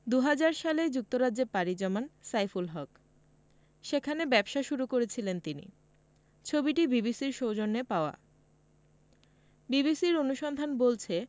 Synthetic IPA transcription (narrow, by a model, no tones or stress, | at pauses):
d̪uɦad͡ʑaɾʃaled͡ʑuk̚t̪oɾadːeɾpaɾid͡ʑɔmansajfulɦɔk | ʃekʰanebɛbʃaʃuɾukoɾet͡ɕʰilent̪inḭ | t͡ɕʰobiʈibibisiɾʃowd͡ʑonːepaoa̰ | bibisiɾonuʃɔnd̪ʱanbolt͡ɕʰe